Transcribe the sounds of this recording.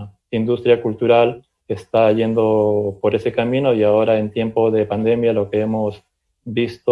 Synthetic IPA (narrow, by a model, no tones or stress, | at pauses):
ind̪ust̪ɾjakult̪uɾal | est̪aʝe̞nd̪o̞po̞ɾe̞se̞kamĩno̞iao̞ɾae̞nt̪je̞mpo̞ðe̞pand̪e̞mjalo̞ke̞emo̞s | bist̪o